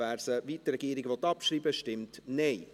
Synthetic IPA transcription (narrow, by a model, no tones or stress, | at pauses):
ɛɾsəvitɾɛɡiːɾɪɡʋɔt̪ːɑpʃriːbəʃtɪmtnɛɪ